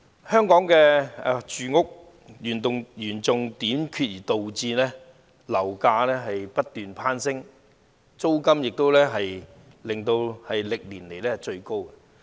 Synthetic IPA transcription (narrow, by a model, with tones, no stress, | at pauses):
hœː˥ŋkɔː˨˥ŋkɛː˧ɛ˧t͡ʃyː˨ŋʊ˥k̚ | jyː˨˩nt̪ʊ˨ŋjyː˨˩nt͡sʊ˨ŋt̪iː˨˥mkʰyː˧t̚jiː˨˩t̪o˨wt͡siː˧nɛː˥ | lɐ˨˩wkaː˧lɛː˥ɦɐ˨jpɐ˥t̚t̪ːyː˨npʰaː˥nsɪ˥ŋ | t͡so˥wkɐ˥mjɪ˨k̚t̪o˥wlɛː˥ɦɐ˨j | lɪ˨ŋt̪o˧whɐ˨jlɪ˨k̚liː˨˩nle˨jlɛː˥t͡ʃɵ˧ɥko˥wkɛ˧˨